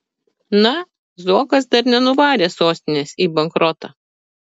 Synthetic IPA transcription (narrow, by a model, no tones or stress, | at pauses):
nɐ | zuɔkɐs̬d̪ɐɾnʲɛnʊʋɑːɾʲeːsoːsʲt̪ʲɪnʲesiːbɐŋkɾɔt̪ɑː